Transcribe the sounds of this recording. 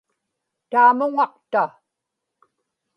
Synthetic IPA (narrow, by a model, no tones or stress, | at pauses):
t̪aːmʊŋɑqt̪a